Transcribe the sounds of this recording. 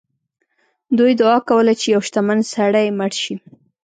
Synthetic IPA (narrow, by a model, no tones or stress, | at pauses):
d̪ujd̪ʊɑkawəlat͡ʃejawʃt̪amansaɽajmaɽʃi